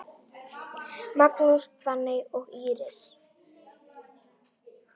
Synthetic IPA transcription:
mat̪nuspvanɪjɔɣiːɾɪs

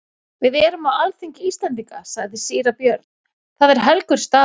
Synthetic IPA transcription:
vɪðɛɾʏmawalθiɲcɪiːst̪lɛnt̪iŋkasaɣðɪsiːɾapjœɾt̪nn̥ | θaðɛɾ̥ɦɛlkʏɾ̥st̪aː

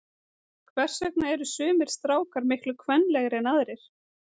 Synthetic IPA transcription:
kʰvɛr̥sœknaɛɾʏsʏːmɪɾ̥st̪ɾaːwkaɾmɪhklʏkʰvɛnːlɛɣɾɛnaðɾɪɾ̥

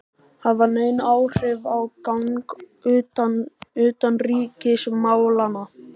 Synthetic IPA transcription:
haðvaɾneːjnaːwr̥ɪvawkawŋk | ʏːt̪anriːcɪsmaːwlana

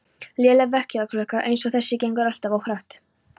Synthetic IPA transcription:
ljɛːlɛɣvɛhcɛðakʰlœːhkaʔejnsɔɣθɛsːɪcejŋkaɾal̥t̪avowhɾaht̪

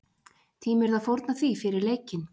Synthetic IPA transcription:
t̪ʰiːmɪɾðaðfowɾt̪naθvifɪɾɪɾleːjcɪn

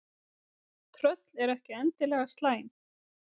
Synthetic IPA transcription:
t̪ʰɾœt̪lɛɾɛhcɪɛnt̪ɪlɛːɣast̪laːjn

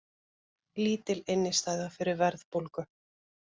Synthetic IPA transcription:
liːt̪ɪlɪnːɪst̪aːjðafɪɾɪɾvɛɾðpolkʏ

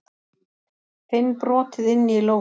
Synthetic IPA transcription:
θejnpɾɔːt̪ɪðɪnːiloː

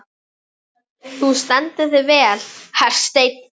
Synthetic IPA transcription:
θust̪ɛnt̪ɪðɪvɛːlhaɾ̥st̪ejt̪̚

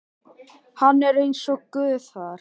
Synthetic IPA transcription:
hanːɛɾejnsɔkʏːðθaɾ̥

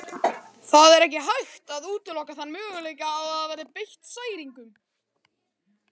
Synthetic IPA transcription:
θaðɛɾɛhcɪɦajxt̪aðuːt̪ʏlɔhkaθanːmʏːɣʏleːjcaːwaðaðvɛɾðɪpejht̪saːjɾiŋkʏm

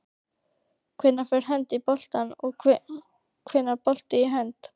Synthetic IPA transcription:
kʰvɪnːafɛɾ̥ɦɛnt̪ipɔl̥t̪anɔ | kʰvɪnːaɾpɔl̥t̪ɪiɦɛnt̪

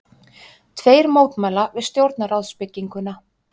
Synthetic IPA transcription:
t̪ʰveːjɾmoːwt̪majlavɪðst̪jowɾt̪naɾawðspɪcːiŋkʏna

